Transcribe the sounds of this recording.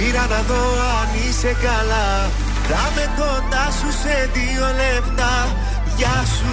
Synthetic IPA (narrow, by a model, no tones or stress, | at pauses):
iɾanaðo | a | nisekala | ɾamet̪ond̪asused̪i | olemd̪a | ja | su